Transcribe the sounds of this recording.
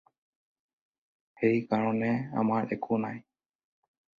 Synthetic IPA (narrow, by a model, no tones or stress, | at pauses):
hejkaɾõnea̰maʔekʰunaj